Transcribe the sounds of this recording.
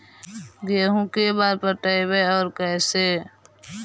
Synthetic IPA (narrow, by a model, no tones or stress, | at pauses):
ɡeɦũkebaːɾpəʈəibeɔːɾkɛːse